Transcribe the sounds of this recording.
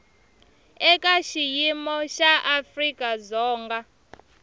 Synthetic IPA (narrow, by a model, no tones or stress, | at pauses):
ɛkaʃijimɔʃaʔafrikʼazɔːŋɡa